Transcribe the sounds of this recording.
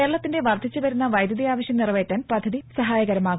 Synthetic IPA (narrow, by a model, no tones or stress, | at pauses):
eɐɭɐt̪ːinde̞ʋɐrd̪ʱit͡ɕːɨʋɐɾunːɐʋɐjd̪jɐðijaːʋɐɕjɐmnirʋeːtːaːnpɐd̪ʱːɐðisɐɦaːjɐɣɐɾɐmaːɣ